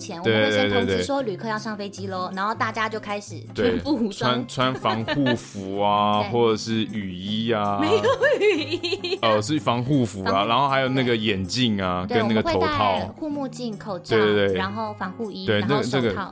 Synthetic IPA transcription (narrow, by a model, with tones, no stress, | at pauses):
t͡ɕʰjɛ˧˥nwwe˥˧˥t̪e˥˧twe˥˧we˥˩˥ʂwɔ˥ly˨˩kʰɤ˥˧jɑ˥˧ʊʂɑ˥˩ŋfe˥ɪt͡ɕi˥lo˥ʊna˧˦nxo˥˧ʊt̪a˥˩t͡ɕja˥t͡ɕjo˥˩ʊkʰa˥ɪʂɻ̩˨˩t̪we˥˩ɪ˧pu˥˩wa˦˥nt͡sʰwa˦˥nfɑ˧˦˥ŋxu˥˧fu˨˥˦a˧xwɔ˥˩ʈ͡ʂə˨˩ʂɻ̩˥˩y˨˩i˦˥a˧o˨˩˨iə˧ʂɻ̩˥˩fɑ˧˥ŋxu˥˩fu˨˥lɐ˧ɻa˧˥nxo˥ʊxa˧ɪjo˨˩ʊna˥˩ɡə˩jɛ˨˩nt͡ɕi˥˩ŋa˩k̪ə˦na˥˩ɡə˨eto˧˦ʊ˥t̪ʰɑ˥˨ʊxu˥˧mu˥˧t͡ɕi˥˩nkʰo˨˩ʊʈ͡ʂe˥˧˥t̪we˥˩ɪɻa˧˥nxo˥˩ʊfɑ˧˥ŋxu˥˧˩i˥we˥˩ɪ˨n˥˩ɡə˨˩nə˥˧˩ɡə˨˥˧